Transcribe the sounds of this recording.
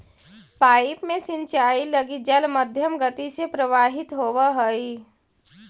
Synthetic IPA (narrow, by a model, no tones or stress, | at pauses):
paːɪpmẽsɪ̃nt͡ʃaːiləɡid͡ʒəlməd̪ʱjəmɡət̪isepɾəʋaːɦɪt̪ɦoʋəɦəi